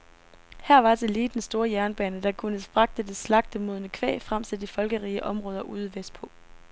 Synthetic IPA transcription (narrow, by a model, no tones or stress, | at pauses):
hæɐ̰ʋɑ̈t͡se̝liːd̥ensd̥o̝ːɐjæɐnb̥ɛːnəd̥ɑ̈kʰunəsb̥ʁɑ̈ɡ̥̚d̥əd̥e̝slɑ̈ɡ̥̚d̥əmo̝ð̞ˠənəkʰʋɛ̰ːfʁam̰sʰe̥ifɒ̽lɡ̥əʁiːəʔɒ̽mʁɔ̽ːð̞ˠɐʔuːð̞ˠəʋes̚pʰɔ̽